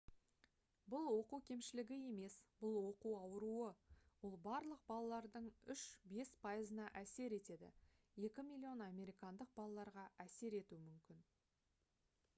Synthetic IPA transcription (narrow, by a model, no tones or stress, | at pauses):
bʊlˠwo̞quwkʲʰe̞mʃɪlɪɡʲɪe̞me̞sbʊlˠwo̞quɑwəɾuəwo̞lˠbɑɾlˠəq̚bɑlˠɑlˠɑɾd̪əɴʏʃbe̞spʰɑjəzənɑʔæse̞ɾe̞t̪e̞d̪ɪ̰ | je̞kʲɪmilʲio̞nɑme̞ɾijkɑnd̪əq̚bɑlˠɑlˠɑɾʁɑæse̞ɾe̞t̪uɪmʏmkʲɪn